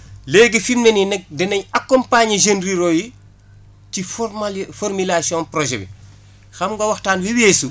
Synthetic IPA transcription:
leːɡifimnɛninɛk̚dɛnɐɲɐkːɔmpaɲɐʒenɾiɾoji | cifɔfɔrmilasiɔ̃nprɔʒɛ̰bḭ | xɐmɡɐwɐxtaːnwiweːsu

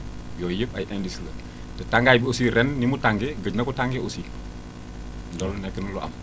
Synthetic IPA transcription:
jɔjəpɐ̰jʔɛndislə̰ | tətaŋɡajbiosiːɾɛnːimutaŋɡɛɡəɟnɐkutaŋɡeʔosi | dɔlnɛkənulɔʔɐ̰m

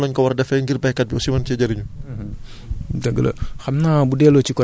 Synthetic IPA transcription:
lɔɲkawardafɛŋɡɪrbaɛkat̪̚biosimansiad͡ʒaɾiɲu | daɡəlo̰hamnabudɛlot͡ʃukɔ

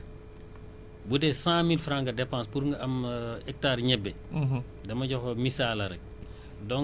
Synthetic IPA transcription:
budɛsãːmilfɾãŋɡɐdɛpãnspuɾŋɡɐɐmɛk̚taːɾɲɛbːɛ | dɐmɐɟɔxɔmisaːlɐɾɛk̚ | dɔŋ

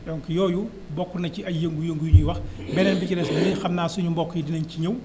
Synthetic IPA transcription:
jɔŋkijɔːju | bɔkːunɐciɐjeŋɡujəŋɡujuɲujiwɐxbɛnɛnbiciɾɛslinixɐmnaːsuɲumbɔkːujidinɐnciɲɐw

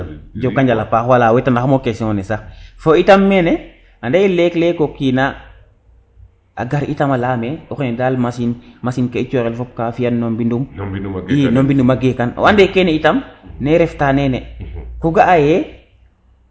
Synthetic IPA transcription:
d͡ʒɔkːaɲd͡ʒalapaxwalaːwɛtanaxamokesiŋɔnɛsafoitamːɛnɛ | andɛjɛlɛklɛkokina | a̰ɡaɾitamalaːmeɔxenɛdaːlmasinmasinkait͡ʃɔɾɛlfɔp̚kafijanːombinduminombindumaɡekan̰wandɛkɛnɛitamnɛɾɛftanɛnɛkuɡaʔajɛ

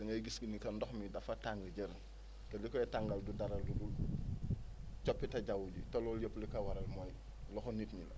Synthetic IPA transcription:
dɐŋɡɐɡiskinikɐndɔxmidɐfɐtaŋɡəɟəɾ | tɛlikɔɛtaŋɡɐldudaɾɐlduɡul | t͡ʃɔpːitɐɟawuɟitɐlɔːljəpːlikɐwɐɾɐlmɔj | lɔxɔnitɲilɐ̰

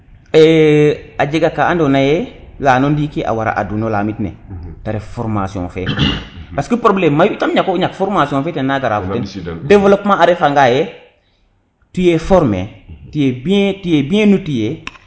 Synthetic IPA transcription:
ɛ | ad͡ʒeɡakaandonajɛlaːnondikiʔa̰waɾa̰ʔa̰dunolaːmitnḛtaɾefoɾmasiɔ̰̃fɛ̰ | paskəpɾoblemːajutamɲakoɲakfɔɾmasiɔ̃fɛːtennːaɡaɾaːfutenddevlopmãaɾefaŋɡajɛ | tujefɔɾmḛtijebitujebiẽnutije

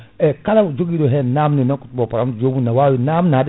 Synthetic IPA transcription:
ɛkalad͡ʒoɡiɾɔɦɛnamninɔkutubɔpaɾamd͡ʒomunawawinamnad

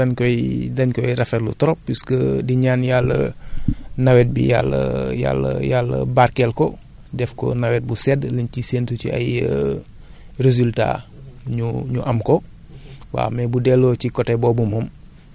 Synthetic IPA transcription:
dɐnkɔjdɐɲkɔjɾɐfɛlṵtɔɾɔpːiskədiɲaːnjalːə̰ | nawɛt̚bḭja̰lːə̰ja̰lːə̰jalːə̰barkɛlkɔ | dɛfkɔ̰nawɛt̚busɛdlənciseːntucia̰jə | rez̬ylta̰ɲuɲuʔɐmkɔ | wa̰ːmɛbudɛlːocikɔtɛbɔbumum

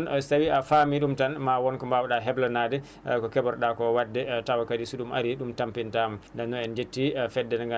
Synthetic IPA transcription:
nsawiafamiɗumtanmawɔnkɔmbawɗaɦɛblanadɛ | kɔkɛbɔɾɗakɔwadːɛtawakadisuɗuma̰ɾiɗumtampintamɔndanːɔɛnd͡ʒetːifɛdːɛnŋɡa

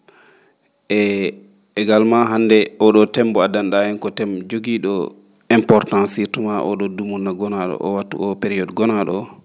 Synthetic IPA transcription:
ʔɛ | ɛɡalmaɦandɛʔɔɗɔtɛmbɔadanɗaɛnkɔtɛmd͡ʒoɡiɗɔ | ɛmpɔɾtãnsitumaʔɔ̰ɗɔdumunːaɡɔnaɗɔ̰ʔɔ̰watːṵʔɔpɛɾiɔdɡɔnaɗɔ

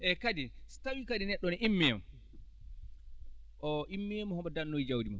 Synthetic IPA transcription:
ʔɛkadistawikadinɛɗːɔnɛʔimːiɛm | ʔɔʔimːimɔhɔmbadanːojd͡ʒawdimɔ

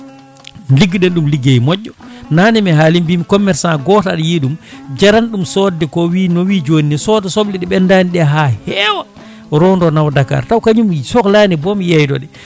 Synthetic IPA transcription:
nliɡːiɗɛnɗumliɡejmɔɟːɔnanɛmɛɦalimbimikɔmːɛɾsaɡɔtaɗjiɗumd͡ʒaɾanɗumsɔdɛkɔwiːnɔwiːd͡ʒoniɛsɔːdɔsɔɓliɗɛɓɛndaniɗɛɦahɛwa | ɾɔndɔnawdaka̰ɾtawkaɲumisɔklanibɔmijajdɔɗɛ

